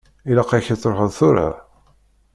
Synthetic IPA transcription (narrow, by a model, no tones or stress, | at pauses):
ilaqaçit͡sːˤɾoħəðˤθʊɾa̰